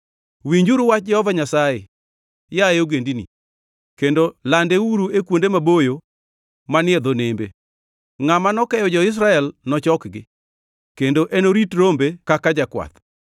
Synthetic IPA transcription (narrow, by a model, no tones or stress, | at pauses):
wiɲd͡ʒuɾʊwat͡ʃ̚d͡ʒɛhɔvaɲasajḛ | jaeoɡendinḭ | kendolandeuɾuekwondemabojo | manɪed̪onembḛ | ŋamanɔkɛjɔd͡ʒɔɪs̬ɾaɛlnɔt͡ʃɔkɡɪ | kendoʔenoɾitɾombekakad͡ʒakwa̰t̪